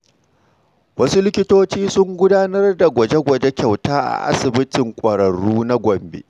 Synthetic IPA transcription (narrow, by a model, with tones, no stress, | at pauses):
wɐ˦su˦lɪ˦kʲɪ˦toː˦t͡ʃiː˦sʊ˦ŋɡʷʊ˦daː˦nɐ˦rda˨ɡʷɐ˨d͡ʒe˦ɡʷɐ˨d͡ʒe˦kʲa˨wtaː˦ʔa̰˨ʔa̰˦sɪ˨bɪ˦tɪ˨ŋkʷʼɐ˨ɾɐ˨ɽuː˦na˦ɡʷɔ˨mbḛː˨